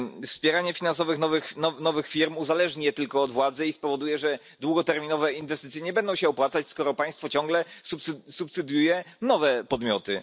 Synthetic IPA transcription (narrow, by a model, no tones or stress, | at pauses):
fspʲjɛɾaɲɛfʲinansɔvɘxnɔvɘxnɔnɔvɘxfʲiɾmuzalɛʐɲijɛt̪ɘlkɔːd̪vwad̪zɛispɔvɔd̪ujɛʐɛ | d̪wuɡɔt̪ɛɾmʲinɔvɛinvɛst̪ɘt̪sjɛɲɛbɛnd̪ɔ̃w̃ɕawpwat̪sat͡ɕskɔɾɔpaj̃st̪fɔt͡ɕɔ̃ŋɡlɛsupssupsɘd̪jujɛnɔvɛpɔd̪mʲjɔt̪ɘ̰